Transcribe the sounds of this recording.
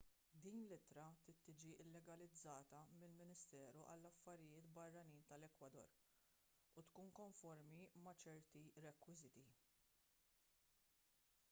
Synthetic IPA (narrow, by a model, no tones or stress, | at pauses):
d̪iːnlɪt̪ɾɐt̪ɪt̪ːɪːd͡ʒiʔɪlːɛɡɐlɪd͡zːɐːt̪ɐmɪlmɪnɪst̪ɛːɾuʔɐ̰lːɐfːɐɾɪjɪːt̪bɐrːɐniːnt̪ɐlɛkwɐd̪ɔ̰ːɾ | ut̪kuːnkɔɱfɔɾmimɐt͡ʃɛɾt̪iɾɛkwɪzɪt̪i